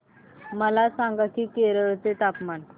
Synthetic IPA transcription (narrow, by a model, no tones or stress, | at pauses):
məlasãŋɡakiːkeɾəɾt͡set̪apman